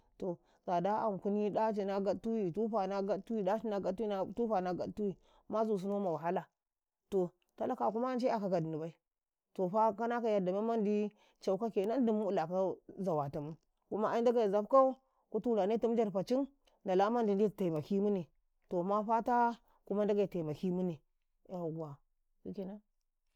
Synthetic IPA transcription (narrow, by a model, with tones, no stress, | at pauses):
to˨ | za˨da˦a˨m˨ku˦ni˦da˦t͡ʃi˨na˦ɡa˦tu˦wi˨tu˦ɸa˨na˦ɡa˦tu˦i˦da˦t͡ʃi˦na˦ɡa˦u˦tu˦ɸa˨na˦ɡa˨˦tu˦wi˨ | ma˦zu˨s̬u˦no˦ma˨wa˨ɦa˦la˨ | to˨ | ta˦la˦ka˨ku˦ma˦n˦t͡ʃe˦a˨ka˨ka˨di˨ni˨ba˦i˦ | to˨ɸa˦ka˦na˦ka˨ja˨da˨ma˦ma˦ndi˦ | t͡ʃa˨u˦ka˦ke˨˦na˦n˦di˨mu˦u˦la˨ka˦za˨wa˨ta˨mu˦ | ku˦ma˦ʔa˦i˦n˦da˦ɡa˨i˨za˦bka˦u˦ | ku˦tu˦˨la˨ne˦tu˦m˦d͡ʒa˦˨ɾpa˨t͡ʃi˦n | da˨la˦ma˦ndi˨n˦di˦˨ta˨ma˨ki˦mu˦ni˨ | to˨ma˦ɸa˦ta˦ | ku˦ma˦n˦da˦ɡa˨i˨ta˨i˨ma˨ki˦mu˦ni˨ | ja˨ɡa˨ | du˦ke˨na˦